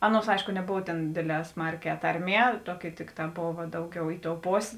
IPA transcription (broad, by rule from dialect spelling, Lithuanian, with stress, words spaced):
ˈɑːˌnuɔs ˈɐɪʃkʊ nʲɛˈboːw tʲeːn ˈdʲeːdʲˌlʲɛː ˈsmɐrʲˌkʲɛː ˈtɐrʲˌmʲiɛ ˈtuɔˌkʲɪ ˈtʲɪkˌtɑː ˈboːʋɐ ˈdɐʊˌɡʲɛʊ ɪ toːʊ ˈpoːsʲeː